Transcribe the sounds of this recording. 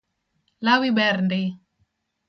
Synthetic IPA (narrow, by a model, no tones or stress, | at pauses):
lawibɛɾndɪ